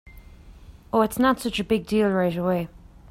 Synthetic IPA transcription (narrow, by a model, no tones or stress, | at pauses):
əɨtsnətsʌt͡ʃɨbɪɡ̚diːlˠɹeɪɾəweɪ